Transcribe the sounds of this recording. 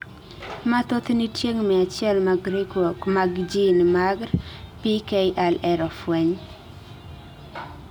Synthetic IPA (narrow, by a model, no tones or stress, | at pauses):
mat̪ot̪nitjeŋmɛat͡ʃjɛlmaɡɾekokmaɡd͡ʒinmaɡɾpikeʔalɛɾɔfwɛɲ